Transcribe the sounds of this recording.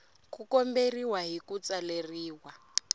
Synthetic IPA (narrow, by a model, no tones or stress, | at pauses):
kukɔmberiwaɦikut͡saleriːwa